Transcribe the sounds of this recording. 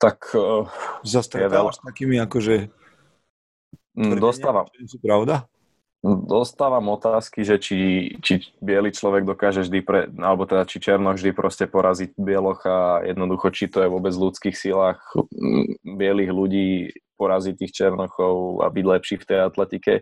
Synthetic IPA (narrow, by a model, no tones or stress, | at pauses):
t̪ak | zast̪jɛʋɛlast̪akiːmiakɔʒɛ | d̪ɔst̪aːʋaɛsupɾaʊd̪a | d̪ɔst̪aːʋamɔt̪aːskiʒɛt͡ʃit͡ʃibɪɛlit͡ʃlɔʋɛɡd̪ɔkaːʒɛʒd̪ipɾɛ̰alɛbɔt̪ɛd̪at͡ʃit͡ʃɛɾnɔɣʒd̪ipɾʔɔscɛpɔɾʔaziɟ̚bɪɛlɔxajʔɛ̰d̪nɔd̪uxɔt͡ʃit̪ɔjɛʋʊɔbɛd͡zlut͡skiːxsilaːx | bɪɛliɣluɟiːpɔɾazit̪ːiːxt͡ʃɛɾnɔxɔʊa̰biɟlɛpʃiːxft̪ɛjat̪lɛt̪ikɛ̰